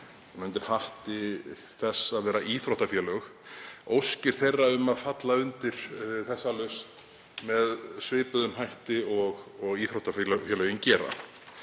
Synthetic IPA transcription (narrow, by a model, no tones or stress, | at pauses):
nʏnt̪ɪɾ̥haht̪ɪ | θɛsːaðvɛːɾaʔiːθɾoht̪afjɛlœx | owscɪɾ̥θejrːaʏmːaðfat̪laʏnt̪ɪɾ̥θɛsːalœst̪ | mɛðsvɪːpʏðʏnhajht̪ɪɔɣɔɣiːθɾowht̪aflœfjɛlœɣɪncɛːɾa̰